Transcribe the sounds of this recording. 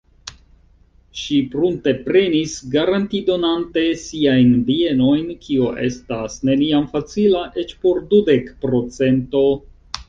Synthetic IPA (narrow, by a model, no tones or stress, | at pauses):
ʃipɾunte̞pɾe̞nisɡaɾantido̞nante̞siajnbie̞no̞jnkʰioʔe̞̰stasne̞niamfat͡silaʔe̞t͡ʃpo̞ɾdude̞kpɾo̞t͡se̞nto̞